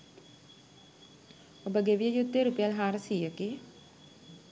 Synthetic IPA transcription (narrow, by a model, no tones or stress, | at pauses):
obəɡeʋijəjud̪ːeɾupejalɦaːɾəsiːəke